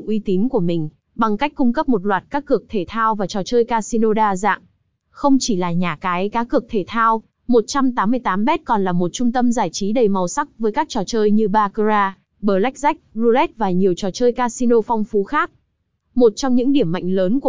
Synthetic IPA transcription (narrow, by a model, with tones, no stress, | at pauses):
ʔwi˧t̪i˨˦nku˧˩əmï˨˩ŋ̟ | ɓa˨˩ŋka˦˥k̟̚kːʊ˧ŋ͡mkə˦˥p̚mo˨˩t̚lwaː˨˩t̚kaː˦˥kːɨ˨˩ək̚t̪ʰe˧˩t̪ʰaː˧wvaː˨˩t͡ɕɔ˨˩t͡ɕəː˧jkaː˧si˧no˧ɗaː˧za̰ː˧˨ŋ | xə˧wŋ͡mt͡ɕi˧˩laː˨˩ɲaː˨˩kaː˨˦jkaː˨˦kɨ˨˩ək̚t̪ʰe˧˩t̪ʰaː˧w | mo˨˩t̚t͡ɕa˧mt̪aː˨˦mːɨ˧əjt̪aː˨˦mɓɛ˦˥t̚kɔ˨˩nlaː˨˩mo˨˩t̚t͡ɕʊ˧ŋ͡mt̪ə˧mzaː˧˩jt͡ɕi˨˦ɗə˨˩jma˨˩wsa˦˥k̚vəː˨˦jkaː˦˥k̚t͡ɕɔ˨˩t͡ɕəː˧jɲɨ˧ɓaː˧kzaː˧ | ɓəː˨˩la˦˥k̚za˦˥jk̟̚zu˧lɛ˦˥t̚vaː˨˩ɲi˨˩əwt͡ɕɔ˨˩t͡ɕəː˧jkaː˧si˧no˧fa˧wŋ͡mfu˨˦xaː˦˥k̚ | mo˨˩t̚t͡ɕɔ˧wŋ͡mɲɨ̰˧˥ŋɗi˧˩əmːa̰˧˨jŋ̟ləː˨˦nku˧˩